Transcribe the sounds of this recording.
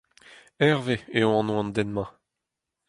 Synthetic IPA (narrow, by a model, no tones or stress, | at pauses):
ɛʁveeõɑ̃nw̃ãnd̪ɛnmã